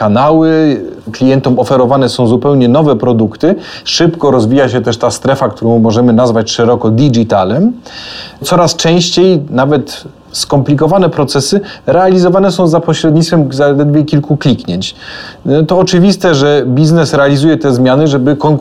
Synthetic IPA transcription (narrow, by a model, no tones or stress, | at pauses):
kanawɘklʲijɛnt̪ɔmɔfɛɾɔvanɛsɔ̃w̃zupɛwɲɛnɔvɛpɾɔd̪ukt̪ɘ | ʂɘpkɔɾɔzvʲijaɕɛt̪ɛʂt̪ast̪ɾɛfakt̪uɾɔ̃w̃mɔʐɛmɘnazvat͡ɕʂɛɾɔkɔd̪ʲid͡ʒit̪alɛm | t̪sɔɾast͡ʂɛ̃w̃ɕt͡ɕejnavɛt̪ | skɔmplʲikɔvanɛpɾɔt̪sɛsɘɾɛalʲizɔvanɛsɔ̃w̃zapɔɕɾɛd̪ɲit̪fɛmzalɛd̪vʲjekʲilkuklʲikɲɛɲt͡ɕ | t̪ɔːt͡ʂɘvʲist̪ɛʐɛbʲiznɛsɾɛalʲizujɛt̪ɛzmʲjanɘʐɛbɘkɔŋ